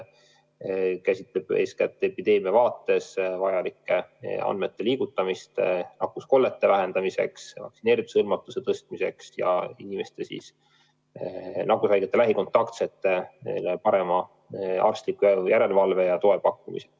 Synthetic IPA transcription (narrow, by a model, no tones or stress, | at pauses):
kæsʲit̪leb̥ḛskæt̪ːˑepid̪̥e̞ːmiɑvɑːt̪ːˑe̞svɑjɑlikːe̞ɑ̰nd̪me̞t̪ːe̞liːɡ̥ut̪ːɑmist̪nɑkːusko̞lːe̞t̪ːevæɦe̞nd̪̥ɑmise̞̰ksvɑ̰ksineːɾid̪ushɯlmɑt̪ːˑuse̞t̪ɤst̪̚mise̞̰ksjɑ̰inime̞st̪e̞sḭs | nɑkːusɑjɡet̪ːelæɦiko̞nt̪ːˑɑkt̪set̪ːˑeḛlepɑɾe̞mɑ | ɑ̰rst̪likːˑujjæɾe̞lvɑlve̞jɑt̪o̞e̞pɑkːumḭse